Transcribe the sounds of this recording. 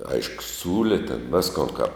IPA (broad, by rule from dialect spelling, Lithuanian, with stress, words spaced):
ˈɐɪʃkʊ ˈsʲuːlʲɪ tʲɛn ˈʋʲɪskoːn kɐp